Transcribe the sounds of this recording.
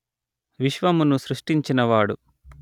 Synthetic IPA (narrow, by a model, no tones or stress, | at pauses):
ʋiʃʋɐmunusɾuʂʈiɲt͡ʃinɐʋaːɽu